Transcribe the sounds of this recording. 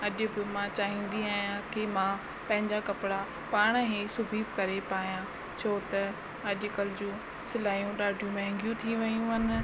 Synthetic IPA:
ɐʄʊ̆bɪmãt͡ɕaːɦĩːnd̪iaːjãkɪmã | pɐ̃ɦɪ̃ɲd͡ʑakɐpɪɽa | paːɽ̃ɦesʊbʱiːbkɐɾepaːijã | t͡ɕʰoːt̪ɐ | ɐʄʊkɐlɪd͡ʑũ | sɪlaːjũɗaːɖʱijũmɛ̃ɦɛ̃ŋɡjũt̪ʰiʋɐjũɦɐnɪ̆

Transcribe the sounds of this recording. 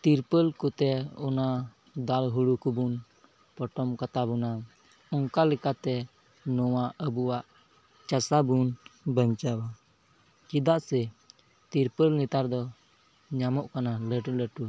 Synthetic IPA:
t̪iɾpəlkut̪ɛɔna | d̪alɦuɽukubun | pɔʈɔmkat̪abuna | ɔŋkalɛkat̪ɛ | nɔwaəbuwaʔ | t͡ʃasabunbəɲt͡ʃaba | kid̪aʔsɛ | t̪iɾpəlnit̪aɾd̪ɔ | ɲamɔʔkanaləʈuləʈu

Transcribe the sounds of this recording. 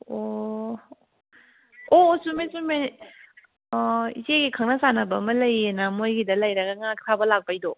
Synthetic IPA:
o | osumesume | iseɡikʰaŋnɐsanɐbɐmɐlɐjenamojɡidɐlɐjɾɐɡɐŋaktʰabɐlak̚bajdɔ

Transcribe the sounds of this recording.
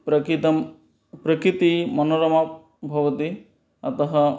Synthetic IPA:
pɾɐkit̪ɐm | pɾɐkɾit̪imɐnoɾɐma | bʱɐʋɐt̪i | ɐt̪ɐɦɐ

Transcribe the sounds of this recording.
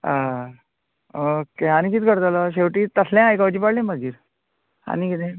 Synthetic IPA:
a | keañikit̪kəɾt̪alaɕ̬eʋʈit̪əslɛ̃ajkaʋt͡ɕiːpaɽlẽməɡʱiːɾ | a̰nikit̪ẽ

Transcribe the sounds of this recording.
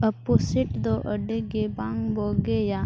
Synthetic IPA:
əposiʈd̪oʔəɖeɡebãŋboɡeja

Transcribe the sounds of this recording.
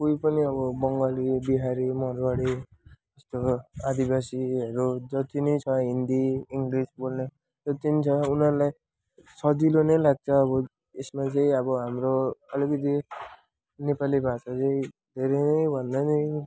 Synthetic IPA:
koipʌniʌbʌbʌŋɡʌlibiɦaɾimʌɾbaɽi | ʌst̪oad̪ibasiɦʌɾud͡zʌt̪inʌjt͡sʰʌɦind̪iiŋɡrisbolne | d͡zʌt̪init͡sʰʌunʌɾulaj | sʌd͡zilonʌjlaɡ̚t͡sʰʌːβʌ | esmat͡sʌĩʌbʌɦamroʌlikʌt̪̬i | nepalibʱasat͡sʌĩd̪ʱeɾʌnʌjbʱʌnd̪anʌĩ

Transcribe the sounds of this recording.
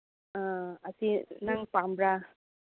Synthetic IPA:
aasinaŋpambɾa

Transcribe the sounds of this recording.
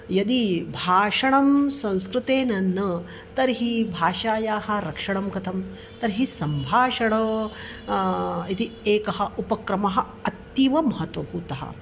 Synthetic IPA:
jɐd̪ibʱaːʂɐɳ̃ɐmsɐ̃ñskɾut̪eːnɐnːɐ | t̪ɐɾɦibʱaːʃaːjaːɦɐ̆ɾɐkʂɐɳ̃ɐmkɐt̪ʰɐm | t̪ɐɾɦisɐmbʱaːʂɐɽɐ | it̪ieːkɐɦɐupɐkɾɐmɐɦɐ̆ | ɐt̪jiʋɐmɐɦɐt̪ʋɐbʱuːt̪ɐɦɐ̰

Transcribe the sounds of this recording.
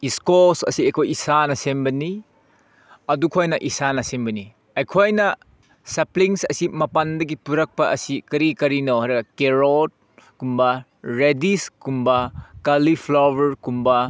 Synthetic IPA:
iskosɐ̰siekʰojisanɐsembɐni | ɐdukʰojnɐʔisanɐsembɐni | ɐjkʰojnɐ | sɐpliŋsɐ̰simɐpandɐɡipuɾɐk̚pɐʔɐsikɐɾikɐɾinowɦaɾɐɡɐkeɾod̚ | kumbɐ | ɾediskumbɐkalipʰlowɐɾkumbɐ

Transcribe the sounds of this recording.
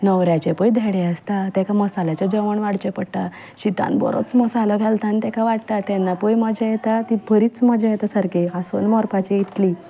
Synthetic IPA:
nəʋɾjat͡ɕepəjd̪ʱeɽeəst̪at̪ɛkʰaməsalat͡ɕad͡ʑəʋəɳʋaɽt͡ɕepəɽt̪a | ɕit̪a̰nbɔ̰ɾo̰t͡smɔsalɔɡʱɛlt̪ʰãnt̪ɛkʰaʋaɽt̪at̪ɛnːapəjməd͡ʑajet̪at̪ibʱəɾiːt͡sməd͡ʑajet̪asaɾkeasonmɔɾpat͡ɕeit̪li

